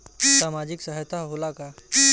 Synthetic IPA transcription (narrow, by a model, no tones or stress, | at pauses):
saːmad͡ʒɪksəɦjt̪aɦolaka